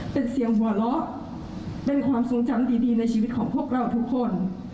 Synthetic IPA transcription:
pe˧nsi˨˩˦əŋwuː˨˩˦lɔ˦˥ʔ | pe˧nkʰwaː˧mso˨˦ŋt͡ɕa˧mdiː˧˩diː˧na˧jt͡ɕʰiː˧wi˦˥t̪̚kʰɔː˩˦ŋpʰu˥˩ək̚ɾa˧˩wt̪ʰu˦˥kʰːo˧˩n

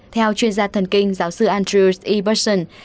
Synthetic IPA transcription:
t̪ʰɛ˧wt͡ɕwi˧ənzaː˧t̪ʰə˨˩nkï˧ŋ̟zaː˨˦wsɨ˧ʔaː˧nt̪ɾi˧sʔi˧ɓə˦˥sə˧˩n

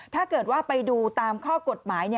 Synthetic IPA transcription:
t̪ʰaː˥˩kɤː˨˩t̪̚waː˥˩pa˧jduː˧t̪aː˧mkʰɔː˥˩ko˨˩t̪̚maː˩˦jni˥˩

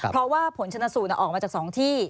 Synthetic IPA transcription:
pʰɾɔ˧˥waː˥˩pʰo˩˦nt͡ɕʰa˧nːa˧˥suː˨˩t̪na˦˧˩ʔɔː˨˩ma˧t͡ɕaː˨˩k̚sɔː˩˦ŋt̪ʰiː˥˩

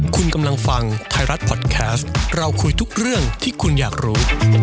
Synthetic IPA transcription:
kʰu˧nka˧mla˧ŋfa˧ŋt̪ʰaː˧jɾa˦˥t̪̚pʰɔ˨˩t̪̚kʰɛː˦˥st̪̚ɾa˧wkʰu˧jt̪ʰu˦˥k̚ɾɯ˥˩əŋt̪ʰiː˥˩kʰu˧njaː˨˩k̚ɾuː˦˥

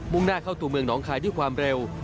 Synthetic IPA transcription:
mu˧ŋnaː˧˩kʰaː˧˥˩wt̪u˧˩mɯ˧əŋnɔː˨˦˥ŋkʰaː˧˩jduː˥˩jkwaː˧mɾe˧w

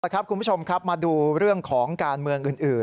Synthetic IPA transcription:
kʰa˦˥p̚kʰu˧npʰu˥˩t͡ɕʰo˧mkʰa˦˥p̚maː˧duː˧ɾɯ˥˩əŋkʰɔː˩˦ŋkaː˧nmɯ˧əŋʔɯː˨˩nʔɯː˨˩

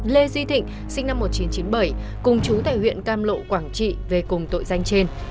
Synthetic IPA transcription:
le˧zi˧t̪ʰḭ̈˧˨ŋ̟ | sï˧ŋ̟na˧mːo˨˩t̚t͡ɕi˨˦nt͡ɕi˨˦nɓə˧˩jkʊ˨˩ŋ͡mt͡ɕu˨˦t̪a̰ː˧˨jhwḭ˧˨ənkaː˧mlo̰˧˨kwaː˧˩ŋt͡ɕḭ˧˨ve˨˩kʊ˨˩ŋ͡mt̪o̰˧˨jza˧jŋ̟t͡ɕe˧n

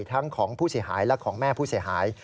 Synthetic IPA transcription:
t̪ʰa˦˥ŋkʰɔː˩˦ŋpʰuː˥˩si˩˦əɦaː˩˦jlɛ˧˦˥kʰɔː˩˦ŋmɛː˥˩pʰuː˥˩si˩˦əɦaː˩˦j

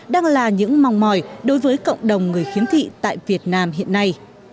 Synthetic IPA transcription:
ɗaː˧ŋlaː˨˩ɲɨ̰˧˥ŋma˨˩wŋ͡mmɔ˨˩jɗo˨˦jvəː˨˦jkə̰˧˨wŋ͡mɗə˨˩wŋ͡mŋɨ˨˩əjxi˨˦mt̪ʰḭ˧˨t̪a̰ː˧˨jvi˨˩ət̚naː˧mɦḭ˧˨ənːa˧j

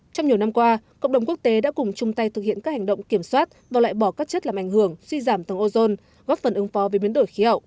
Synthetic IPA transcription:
t͡ɕɔ˧wŋ͡mɲi˨˩əwna˧mkwaː˧kə̰˧˨wŋ͡mɗə˨˩ŋ͡mku˦˥ək̚t̪e˨˦ɗa̰ː˧˥kʊ˨˩ŋ͡mt͡ɕʊ˨˧ŋ͡mt̪a˧jt̪ɨ˨k̚hḭ˧˨ənaː˦˥k̚ha˨˩ŋ̟ɗə̰˧˨wŋ͡mki˧˩əmswaː˦˥t̚vaː˨˩wla̰ː˧˨jɓɔ˧˩kaː˦˥k̚t͡ɕə˦˥t̚laː˨˩mʔa˧˩jŋ̟hɨ˧˩əŋswi˧zaː˧˩mt̪ə˨˩ŋʔo˧zo˧n | ɣɔː˦˥p̚fə˨˩nʔɨ˨˦ŋfɔ˨˦ve˨˩˦ɓi˨ənɗo˧˩jxi˨˦hə̰˧˨wʔ

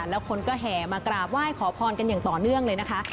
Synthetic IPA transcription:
lɛː˦˥wkʰo˧nkɔː˥˩ɦɛː˨˩maː˧kɾaː˨˩p̚waː˥˩jkʰɔː˩˦pʰɔː˧nka˧njaː˨˩ŋt̪ɔː˨˩nɯ˥˩əŋlɤː˧jna˦˥kʰa˦˥

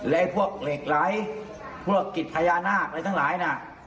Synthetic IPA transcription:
lɛ˦ʔpʰu˥˩ək̚leː˨˩k̚la˨˦˥j | pʰu˥˩əkːi˨˩t̪̚pʰaː˧jaː˧naː˥˩k̚ɾa˧jt̪ʰa˥ŋlaː˩˦jna˧˩

